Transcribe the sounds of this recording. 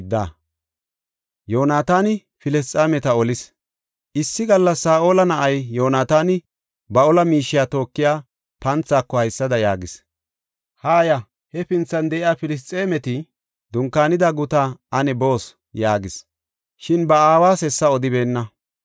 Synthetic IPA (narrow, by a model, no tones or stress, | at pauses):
d̪ːa̰ | jo̞ːnaːt̪aːnɪ | fɪlɛst͡s̪ʼːaːmɛt̪ɐɔlɪs | ʔɪsːɪɡɐlːɐsːaːʔoːlɐnɐʔɐjjo̞ːnaːt̪aːnɪ | bɐɔlɐmiːʃːɪjaːt̪o̞ːkːɪjaː | pɐnt͡sːaːkːɔhɐjsːɐd̪ɐjaːɡɪs | haːjɐ | hɛpɪnt͡sːɐnd̪ɛʔɪjaːfɪlɪs̬t̪ʼːeːmɛt̪ɪ | d̪ʊŋkːaːnɪd̪aɡʊt̪aʔɐnɛbo̞ːs | jaːɡɪs | ʃɪnbɐaːwaːsɛsːɐɔd̪ɪbe̞ːnːɐ